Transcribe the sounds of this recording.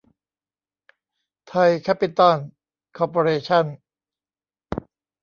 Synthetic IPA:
t̪ʰa˧jkʰɛ˦˥pːi˧t̪ɔ˥˩n | kʰɔː˧poː˧ɾeː˧t͡ɕʰa˥˩n

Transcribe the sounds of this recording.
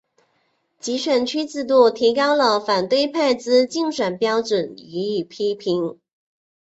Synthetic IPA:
t͡ɕi˧˥ʂɥə˨˩nt͡ɕʰy˥t͡sɹ̩˥˧t̪u˥˩t̪ʰi˧˥kɑ˥ʊlə˨fa˨˩nt̪we˥˧ɪpʰa˥˩ɪt͡sɹ̩˥t͡ɕi˥˧ŋʂwə˨˩npjɑ˥ʊʈ͡ʂwə˨˩ny˧˥i˨˩pʰi˥pʰi˧˥ŋ

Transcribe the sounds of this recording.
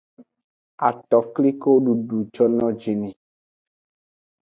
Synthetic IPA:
a˨t̪ɔ˨kli˦ko˦ɖu˨ɖu˨d͡ʒɔ˦nɔ̃˦d͡ʒi˨nĩ˨

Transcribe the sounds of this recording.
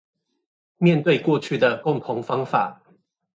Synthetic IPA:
mjɛ˥˨nt̪we˥˨ɪkwɔ˥˧t͡ɕʰy˥˩d̪ə˩kʊ˥˨ŋt̪ʰʊ˨˧˦ŋfɑ˦ŋfa˨˩˦

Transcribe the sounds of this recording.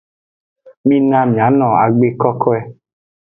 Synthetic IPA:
mi˦nã˧mĩ˨a˨˦nɔ̃˨a̰˨ɡ͡be˦kɔ˦kʰɔ˦ɛ˧

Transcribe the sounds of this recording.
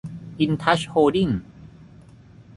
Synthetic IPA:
ʔi˧nt̪ʰa˦˥ɕhoː˧di˥˩ŋ

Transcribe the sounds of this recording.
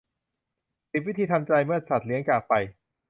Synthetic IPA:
si˨˩wi˦˥t̪ʰiː˧t̪ʰa˧mt͡ɕa˧jmɯ˥˩ət̪̚sa˨˩t̪̚li˦əŋkaː˨˩k̚pa˧j

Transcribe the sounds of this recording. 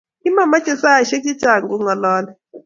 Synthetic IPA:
i˦ma˨ma˦t͡ʃʼɛ˨sa˦jɔ˨ʃe˦t͡ʃi̥˦t͡ʃʼa˨ŋɡu˦ŋa˨lɔː˦na˨

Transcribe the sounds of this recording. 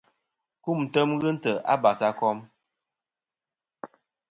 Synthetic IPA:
ku˦˨m̩˨tə˦mɣɨ˦n̩˦tə˨ʔa̰˦ba˨sa˦kɔ˦m

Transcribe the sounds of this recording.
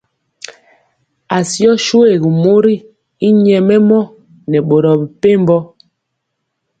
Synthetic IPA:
a˨sjɔ˦ʃo˦e˦˨ɡi˨mo˦ɾi˦ | i˦ɲɛ˨mɛ˦mɔ˦ | nɛ˨ɓo˨ɾɔ˨bi˨pe˦m˦bɔ˦

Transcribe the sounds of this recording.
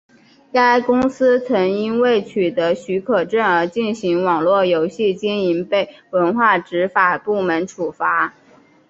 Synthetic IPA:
ka˥ɪkʊ˥ŋsɹ̩˥t͡sʰɤ˧˥ŋi˥nwe˥˩ɪt͡ɕʰy˨˩t̪ɤ˧˥ɕy˧˥kʰɤ˨˩ʈ͡ʂə˥˩nə˞˧˥t͡ɕi˥˩nɕi˧˥ŋwɑ˨˩ŋlwɔ˥˩jo˧˥ʊɕi˥˩t͡ɕɛ˥ni˧˥npe˥˩ɪwə˧˥nxwa˥˩ʈ͡ʂɻ̩˧˥fa˨˩pu˥˩mə˧˥nʈ͡ʂʰu˨˩fa˧˥

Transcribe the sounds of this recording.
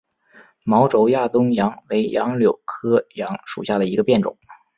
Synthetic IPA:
mɑ˧˥ʊʈ͡ʂo˧˥ʊja˥˩t̪ʊ˥ŋjɑ˧˥ŋwe˧˥ɪjʔɑ˧˥ŋljo˨˩ʊkʰɤ˥jɑ˧˥ŋʂṵ˨˩ɕja˥˩d̪ə˩i˧˥ɡə˧pjɛ˥˩nʈ͡ʂʊ̰˨˩˦ŋ

